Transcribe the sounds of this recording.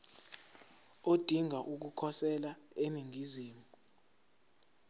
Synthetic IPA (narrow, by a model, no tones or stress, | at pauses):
od̥ʱiŋaʔuk̬ukʰɔsɛlaeniŋiziːmu